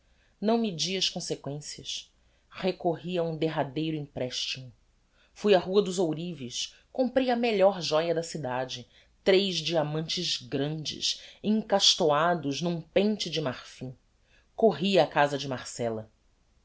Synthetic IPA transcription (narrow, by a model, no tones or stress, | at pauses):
nɐ̃w̃mid͡ʒiɐʃkõsekwẽsiɐs | hekoɦiɐũd̪eɦad̪ejɾʊĩŋpɾɛʃt͡ʃimʊ | fujɐɦuɐd̪ʊzowɾivis | kõmpɾejɐmeʎɔɾʒɔjɐd̪ɐsid̪ad͡ʒɪ | t̪ɾejʒd͡ʒiamɐ̃nt͡ʃɪzɡɾɐ̃nd͡ʒɪ̰ʃẽŋkaʃt̪oad̪ʊznũpẽnt͡ʃɪd͡ʒɪmaɾfĩ | koɦiakazɐd͡ʒɪmaɾsɛlɐ